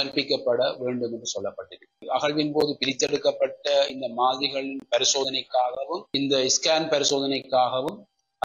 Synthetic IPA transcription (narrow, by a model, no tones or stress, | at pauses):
ɐɾpɪkːɐpːɐɽɐʋeːɳɖɯmndrɯsɔlːɐpːɐʈːɪɾɯkːɐɣɐɭʋɪnpoːðɯpɪɾɪt̪ːɛɽɯkːɐpːɐʈːɐɪnd̪ɐmaːðɾɪɣɐɭɪnpɐɾɪsoːðɐnɐɪkːaːɣɐʋɯmɪnd̪ɐɪskaːnpɐɾɪsoːðɐnɐɪkːaːɣɐʋɯm | ɐ